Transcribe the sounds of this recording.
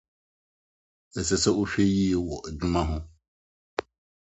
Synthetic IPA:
ɛ˨sɛ˨sɛ˦o˦ɕᶣe˦ji˦e˦wɔ˨ʔe˨d͡ʑᶣu˦mã˦ɦʊ̃˦

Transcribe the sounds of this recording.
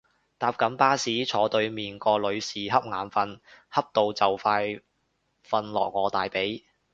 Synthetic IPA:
t̪aː˧p̚kɐ˨˥mpaː˥siː˨˥t͡sʰɔː˨˥t̪ɵ˧ɥmiː˨˩nkɔː˧lɵ˨˧ɥsiː˨ɦɐ˥p̚ŋaː˨˧nfɐ˧nhɐ˥p̚t̪o˨wt͡sɐ˨wfaː˧j | fɐ˧nlɔ̰ː˨˩k̚ŋɔː˨˧t̪aː˨jpe˨˥j

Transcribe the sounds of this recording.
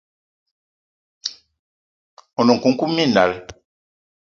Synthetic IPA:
ɔ˨nɔ˨ŋ˨ku˨ŋ˦ku˦mːi˦˨nda̰˨l

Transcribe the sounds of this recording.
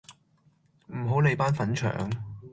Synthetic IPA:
m̩˨˩ɦo˨˥wle˨˧jpaː˥nfɐ˨˥nt͡ʃʰœ̰ː˨˩ŋ

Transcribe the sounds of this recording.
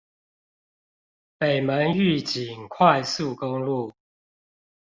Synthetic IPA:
pe˨˩ɪmə˨˦ny˥˨t͡ɕi˨˩ŋkʰwa˥˨ɪsu˥˨ko˦ŋlu˥˨

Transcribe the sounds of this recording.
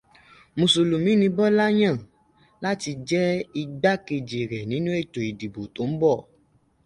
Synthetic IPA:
mũ˨so˨lu˨mĩ˨˦nĩ˧bɔ˦la˦j̃ã˦˨ | la˦ti˧d͡ʒɛ˦i˧ɡ͡ba˦ke˧d͡ʒe˨ɾɛ˨nĩ˨˦nũ˦e˦˨to˨i˨di˨bo˨to˨˦m̩˦bɔ˦˨

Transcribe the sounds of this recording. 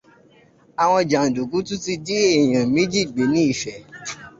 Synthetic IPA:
a˨w̃ɔ̃˧d͡ʒa˨n̩˨du˨ɡu˨˦tũ˦ti˧d͡ʒi˦e˦˨j̃ã˨mĩ˦d͡ʒi˦˨ɡ͡be˨˦nĩ˦i˦˨ʃɛ˨

